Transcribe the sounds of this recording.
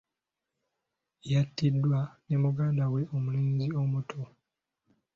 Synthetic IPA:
jatːidːwanemuɡaːndawe̞ʔomuliːɲziomutʰo

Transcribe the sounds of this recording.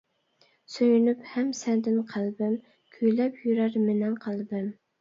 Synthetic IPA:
søjynyphæmsɛnd̪ɪnqʰælˠbɪm | kʲʰyjlɛpjyɾæɾmɪnɛnqʰɑlˠbɪm

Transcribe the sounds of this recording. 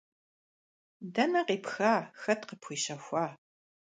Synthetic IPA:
dɐnɐqiːpxaːxɐtqəpʰxʷiːɕɐxʷɑː

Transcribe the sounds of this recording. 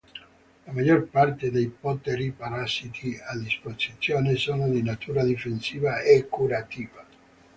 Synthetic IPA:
lamad͡ʒorpart̪ed̪ejpɔt̪eɾipaɾasit̪iad̪isposit̪sːjoːnesoːnod̪inat̪ʰuːɾad̪ifensiːvaɛkːuɾat̪iːva

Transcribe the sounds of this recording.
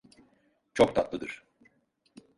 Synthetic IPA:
t͡ʃʰok̚t̪ʰat̪lˠɯd̪ɯɾ̥

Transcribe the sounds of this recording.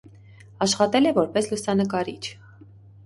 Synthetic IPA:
ɑʃχɑt̪ɛlɛvɔɾpɛslusɑnəkɑɾit͡ʃʰ

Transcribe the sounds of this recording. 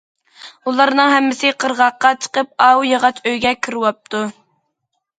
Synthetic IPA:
ulˠɑɾnɨŋɦɛmːɪsɪqʰəɾʁɑqːɑt͡ʃʰə̥qəp̚ɑwjɑʁɑt͡ʃøjɡʲɛkʲʰiɾwɑp̚t̪ʰu

